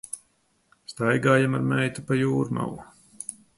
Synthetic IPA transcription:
st̪ajɡaːjamaɾmɛjt̪upajuːɾuma̰wu

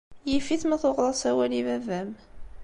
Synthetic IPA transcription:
jifiθməθoʁlˤɑsæwælivævæm

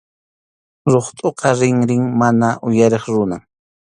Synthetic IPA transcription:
ɾoχt̪ʼoqɑɾɪŋɾɪŋmanaʔʊjaɾeχɾʊna

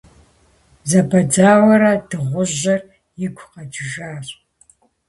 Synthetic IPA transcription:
zɐbɐd͡zaːwʷɐɾɐdɨʁʷʊʑɐr | jɪɡʷʰqɐd͡ʒɪʒaːɕʼ

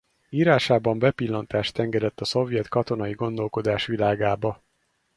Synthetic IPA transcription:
iːɾaːʃaːbɒmbɛpilːɒnt̪aːʃt̪ɛŋɡɛd̪ɛt̪ːɒso̞vjɛt̪kɒt̪o̞nɒjiɡo̞nd̪o̞lko̞d̪aːʃʋilaːɡaːbɒ

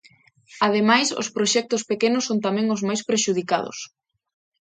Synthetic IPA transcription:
að̞emajso̰spɾoʃɛk̚t̪ʊspekenʊsːont̪amɛ̃ŋozmajspɾeʃuð̞ika̰ðʊ̰s

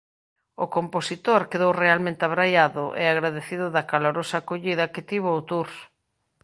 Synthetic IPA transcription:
ʊkomposit̪oɾkeðowrealmẽnt̪ɪaβɾajaðʊʔɪ̰aɣɾaðeθiðʊðɐkaloɾosɐkoʎiðɐkɪt̪iβ̞oot̪uɾs

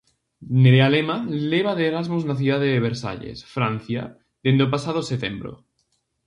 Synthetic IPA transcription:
neɾealemaleβ̞aðeːɾazmoznaθjuðaðeðeβ̞eɾsa̰ʎḛsfɾan̟θja̰ | ðend̪eopasað̞oset̪embɾo̰

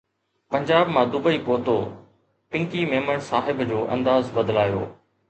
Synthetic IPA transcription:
pɐ̃ɲd͡ʑaːbmãːd̪ʊbəiːpoːt̪oː | pɪ̃ŋkimeːməɳ̃saːɦɪbd͡ʑoːʔɐ̰̃nd̪aːzbɐd̪laːjo̰ː

